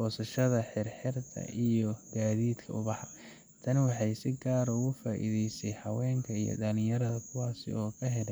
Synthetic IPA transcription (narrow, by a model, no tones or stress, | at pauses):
bɔːsɐʃɐðɐħɪrħɪrt̪ʰɐ̰ʔijɔɡaːðiːd̪kʰɐʊβɑħɑ | t̪ʰɐnwɑħɑjsɪɡaːɾɔɣʊfaːʔḭðɛjsɛjhɐwɛːŋkʰɐḭjɔ̰d̪ɐnɪjɐɾɐðɐkʰʊwaːsɪ̰ɔːkʰɐɦɛlɛ